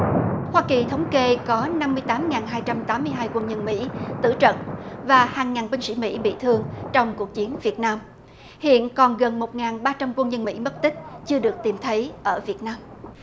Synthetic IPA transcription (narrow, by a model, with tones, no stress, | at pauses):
hwaː˧ki˨˩t̪ʰə˨˦wŋ͡mke˧kɔ˨˦na˧mːɨ˧əjt̪aː˨˦mŋaː˨˩nɦaː˧jt͡ɕa˧mt̪aː˨˦mːɨ˧əjɦaː˧jkwə˧nɲə˧nmḭ˧˥t̪ɨ̰˧˩t͡ɕə̰˧˨nvaː˨˩haː˨˩ŋːaː˨˩nɓï˧ŋ̟sḭ˧˩mḭ˧˥ɓḭ˧˨t̪ʰɨ˧əŋt͡ɕɔ˧wŋ͡mku˨˩ək̚t͡ɕi˨˦ənvi˨˩ət̚naː˧m | hḭ˧˨ənkɔ˨˩nɣə˨˩nmo˨˩t̚ŋaː˨˩nɓaː˧t͡ɕa˧mkwə˧nzə˧nmḭ˧˥mə˦˥t̚t̪ï˦˥k̟̚t͡ɕɨ˧əɗɨ˨˩ək̚t̪i˨˩mt̪ʰə˨˦jʔəː˧˩vi˨˩ət̚naː˧m